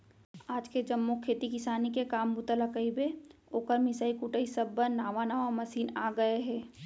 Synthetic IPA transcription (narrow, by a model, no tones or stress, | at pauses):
aːd͡ʒked͡ʒɐmːukʰeːt̪ikɪsaːnikekaːmbʊt̪əlakəibeoːkəɾmɪsaːikuʈəisɐbːənːaːʋanaːʋamɐsiːnaːɡɐeɦɛː